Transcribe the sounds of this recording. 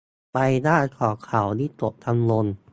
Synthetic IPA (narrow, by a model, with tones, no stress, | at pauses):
pa˧jdaː˥˩kʰɔː˨˩˦kʰa˨˩wniː˧˥˩t̪o˨˩p̚t̪ʰa˧mlo˧n